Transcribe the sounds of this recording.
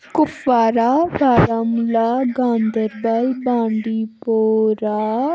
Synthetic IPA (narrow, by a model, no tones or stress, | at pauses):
kʊfaːɾabʱaːɾəmlaːɡãːnd̪əɾbɐlbãːɳɖiːpoːɾa